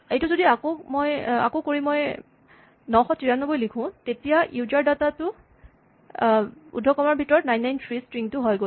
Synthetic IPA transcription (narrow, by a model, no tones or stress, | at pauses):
ejtʊzodiakomoja̰kokoɹĩmoj | nɔxɔtiɹanobojlikʰʊ̃tetijaʔiuzaɹdatatʊ | ṵdʱːɔkɔmaɹbʱitɔɹɔtnajnːajntʰɹistɹiŋtʊɦɔjɡo